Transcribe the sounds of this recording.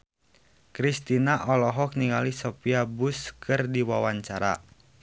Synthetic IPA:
kɾist̪inaʔɔlɔɦɔk̚niŋalisɔpiabʊskʰɨrdiwawaɲt͡ʃaɾa̰

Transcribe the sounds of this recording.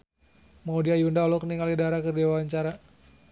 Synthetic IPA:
maudiajundaɔlɔkəniŋalidaɾakərdiwaaɲt͡ʃaɾa

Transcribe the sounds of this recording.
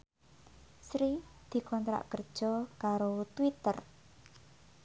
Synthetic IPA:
sɾid̪̥i̤kɔnt̪ɾa̰ʔkərd̥ʒ̥ɔ̤kaɾot̪wit̪ər

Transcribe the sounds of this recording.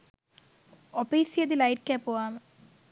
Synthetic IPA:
ɔpejsied̪ilajʈ̚kɛpoam

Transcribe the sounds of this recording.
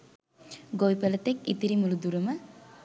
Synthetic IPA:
ɡojpelət̪ekit̪iɾimulud̪uɾumə

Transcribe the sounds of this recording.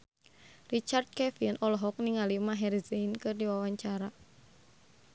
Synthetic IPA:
rit͡ʃard̪̚kɛfinʔɔlɔɦɔk̚niŋalimaɦɛrizeinkɨrdiwawaɲt͡ʃaɾa

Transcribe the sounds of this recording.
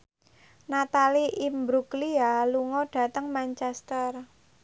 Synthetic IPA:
nat̪aliʔimbɾuklialuŋɔɖ̥ä̤t̪əŋmant͡ʃɛst̪ər

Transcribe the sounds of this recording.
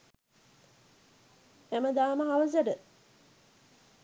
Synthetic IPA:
æməd̪aːməɦaʋəzəɖə

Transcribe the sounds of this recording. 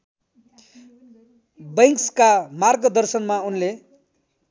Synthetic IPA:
bʌŋkskamarɡʌd̪ʌrsʌnmaunle

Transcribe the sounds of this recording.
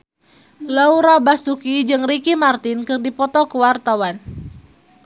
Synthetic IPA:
lauɾabasukid͡ʒɨŋrikimart̪ɪnkɨrdipɔt̪ɔkuwart̪awan

